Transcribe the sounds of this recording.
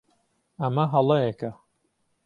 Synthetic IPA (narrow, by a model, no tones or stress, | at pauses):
ɐmɐɦɐlˠɐjekɐ